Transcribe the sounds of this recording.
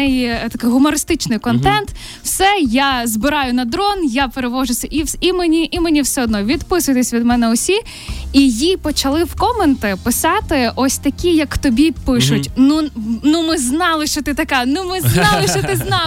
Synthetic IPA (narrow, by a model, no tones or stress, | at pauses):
ɛjit̪ɐkɪjɦʊmɔɾɪst̪ɪt͡ʃnɪjkɔnt̪ɛnt̪ | wsɛjazbɪɾɑjʊnɐd̪ɾɔnjapeɾeʋɔʒʊsʲɐʔiimenʲiʔimenʲiwsɛɔd̪nɔʋʲid̪pɪsʊjt̪esʲʋʲid̪mɛnɛɔsʲi | ijipɔt͡ʃɐlˠɪwkɔment̪ɪpɪsɑt̪ɪʔɔsʲt̪ɐkʲijɐkt̪ɔbʲipɪʃʊtʲnunʊmɪznɑlˠɪʃt͡ʃɔt̪ɪt̪ɐkɛnʊmɪznɑlˠɪʃt͡ʃɔt̪ɪznɑ